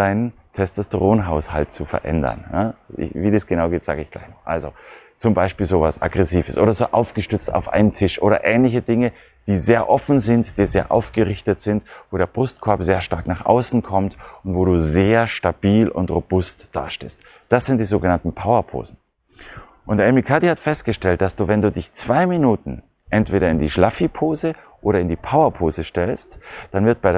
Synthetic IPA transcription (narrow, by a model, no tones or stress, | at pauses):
d̥aɪnən | tʰɛstɛstəʁoːnɦaʊshalt̚t͡sufɛ̰ɐʔɛ̰ndɐ̰njaɪ̰viːdiːsɡ̥ənaʊɡeːtz̥aːɡəɪçɡ̥la̰ɪçnɔʔa̰lzo̰ | t͡sʊmbaɪʃpiːlzoːvasʔa̰ɡʁɛsiːvəsʔo̰ːɾɐzoːʔa̰ʊfɡ̥əʃtʏɐt͡sta̰ʊfʔa̰ɪnəntʰɪʃʔoːɾɐ̰ʔɛːnlɪçədɪŋə | d̥iːzeːɐʔɔfn̩zɪntd̥iːzeːɐʔa̰ʊfɡ̥əʁɪçtətz̥ɪntvoːɾeːɐbʁʊst̚kʰɔɐbzeːɐʃtaɐknaːχʔa̰ʊsn̩kʰɔmtʊntv̥oːɾuːzeːɐʃtab̥iːlʊ̰ntʁob̥ʊstd̥a̰ːʃtḛːst | d̥asz̥ɪnt̚d̥iːzoːɡənantn̩pʰaʊɐpʰo̰ːzn̩ | ʔʊntʔɛmikʰatihatfɛst̚ɡ̥əʃtɛlt̚d̥asd̥uːvɛnduːdɪçt͡sv̥aɪminuːtn̩ | ʔɛntv̥eːɾɐɪndiːʃlafipʰoːzəʔoːɾɐɪndiːpʰaʊɐpʰoːzəʃtɛlstd̥anvɪɐt̚b̥aɪɾ